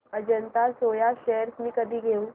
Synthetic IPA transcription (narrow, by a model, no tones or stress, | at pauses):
əd͡ʑənt̪asojaɕeɦəɾsmiːkəd̪ʱiːɡʱeũ